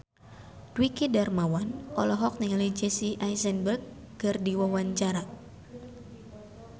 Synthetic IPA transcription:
dwikidarmawanʔɔlɔɦɔk̚niŋalid͡ʒɛsiʔajsɛnbərɡ̚ː | ɨrdiwawaɲt͡ʃaɾa

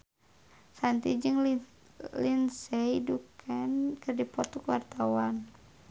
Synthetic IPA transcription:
sant̪id͡ʒɨŋ | linsɛidukʰankərdipɔt̪ɔkwart̪awan

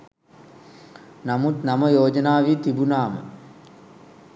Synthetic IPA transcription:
nɐmut̪nɐmɐjoːd͡ʒɐnaːʋit̪ibunaːmə̰

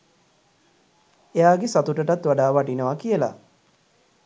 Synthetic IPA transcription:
ejaːɡesat̪uʈəʈat̪ʋaɖaːʋaʈinəʋakijəla̰

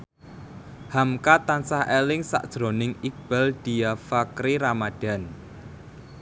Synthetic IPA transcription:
hamkat̪ansahelɪŋsa̰ʔd̥ʒ̥ɾonɪŋik̚b̥a̤ld̥i̤afakɾiɾamaɖ̥a̤n

